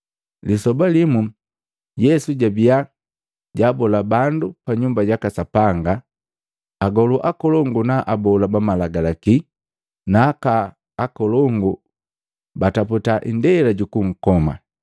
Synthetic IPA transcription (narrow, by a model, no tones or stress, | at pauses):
lisɔbalimu | jɛsuɟabia | ɟaːbɔlabandupaɲumbaɟakasapaŋɡaː | ɡɔluʔakɔlɔŋɡunaʔabɔlabamalaɡalaki | nakaː | kɔlɔŋɡu | bataputaʔḭndɛlaɟukuŋ̩kɔma̰